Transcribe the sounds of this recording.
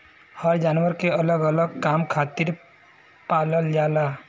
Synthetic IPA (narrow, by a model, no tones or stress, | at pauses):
həɾd͡ʒanwəɾkeələɡələɡ̚kamkʰat̪iɾ | paləld͡ʒala